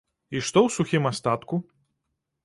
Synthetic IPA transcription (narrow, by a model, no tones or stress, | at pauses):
iʂt̪ɔwsuxʲimast̪at̪ku